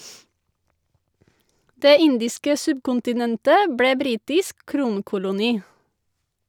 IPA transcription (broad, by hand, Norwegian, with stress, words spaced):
ˈdeː ˈɪndɪskə ˈsʉbkʊntɪˌnɛntə ˈbɽeː ˈbɾiːtɪsk ˈkɾuːŋkʊlʊniː